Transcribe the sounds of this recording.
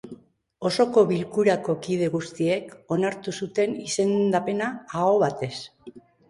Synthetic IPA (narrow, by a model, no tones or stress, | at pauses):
o̞so̞ko̞βilkuɾako̞kið̞e̞ɣust̪ie̞ko̞naɾt̪usut̪e̞nise̞nd̪ape̞naːoβ̞at̪e̞s